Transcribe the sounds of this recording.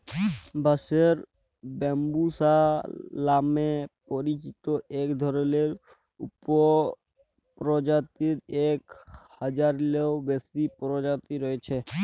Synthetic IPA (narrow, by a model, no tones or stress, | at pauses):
bʱaseɾ | bɛmbusalamepɔɾit͡ʃit̪oʔekd̪ʱɔɾɔleɾ | upɔ | pɾɔd͡ʒat̪iɾekhəd͡ʒaɾleobesipɾɔd͡ʒat̪iɾɔet͡ʃʰe